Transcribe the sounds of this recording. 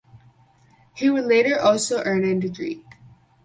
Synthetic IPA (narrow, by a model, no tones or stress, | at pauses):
hiwədˡleɪɾə˞ʔɔlˠsoʊʔɜ̃˞nɨ̃ndɨɡɹḭ